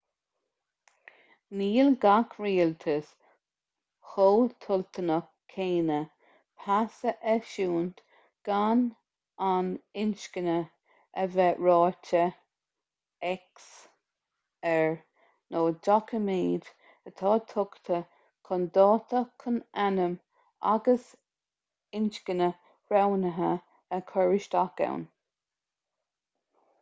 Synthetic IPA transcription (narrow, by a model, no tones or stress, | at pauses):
niːlɡakʰɹiːlt̪ʰəs | xoːt̪ʰʊlt̪ʰənə | kʰeːnə | pʰasəʔɛʃuːnt̪ | ɡ̥an | anɪnʃkənə | əvɛɹɑːtə | ɛks | ɛɹ | noːdɔkʰəmiːd̪ | ət̪ʰɑːt̪ʰʊkt̪ʰə | kʰʊnd̪ɑːt̪ʰəkʰənanəm | a̰ɡəs | ɪnʃkənə | ɹawnəɦə | əkʰɔɹɪʃt̪aka̰wn